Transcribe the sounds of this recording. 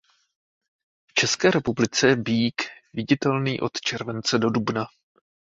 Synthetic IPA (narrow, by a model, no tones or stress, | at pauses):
ft͡ʃɛskɛːɾɛpublɪt͡sɛbiːkvɪɟɪt̪ɛlniːʔo̞̰t̪t͡ʃɛɾvɛnt͡sɛdo̞dubna